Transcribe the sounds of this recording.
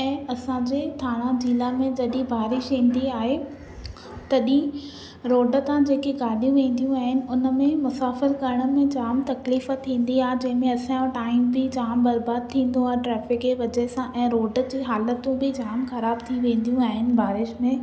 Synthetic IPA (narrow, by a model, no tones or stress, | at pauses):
ɛ̃ːɐsãd͡ʑeːt̪ʰaːɽ̃ãd͡ʑiːlamẽd͡ʑɐɗĩbʱaːɾɪʃɦĩːn̆d̪iaːɦe | t̪ɐɗĩ | ɾoːɖə̆t̪ãd͡ʑeːkeɡaːɗijũʋẽːn̆d̪ijũaːɦɪnɪ̆ʊnəmẽmʊsaːfɪɾkɐɾəɽ̃ə̆mẽd͡ʑaːmt̪ɐkliːfət̪ʰːĩːn̆d̪iaːɦed͡ʑɐ̃ɦɪ̃mẽɐsãjõʈaːɪmbɪd͡ʑaːmbɐɾbaːd̪̚t̪ʰĩːn̆d̪õaːɦeʈɾɛːfɪkeʋɐd͡ʑesãʔɛ̃ːɾoːɖd͡ʑiːɦaːlət̪ũbɪd͡ʑaːmxɐɾaːb̚t̪ʰiʋẽːnd̪ijũaːɦɪnɪ̆bʱaːɾɪʃmẽ